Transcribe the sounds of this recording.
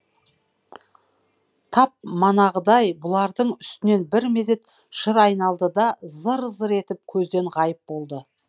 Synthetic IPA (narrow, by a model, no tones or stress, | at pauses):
t̪ʰɑp̚mɑnɑʁəd̪ɑjbʊlˠɑɾd̪əɴʏst̪ɪne̞nbɪɾme̞d̪e̞t̪ | ʃəɾɑjnɑlˠd̪əd̪ɑzəɾzəɾe̞t̪ɪp̚kʲʰɵzd̪e̞ɴʁɑjəp̚bo̞lˠd̪ə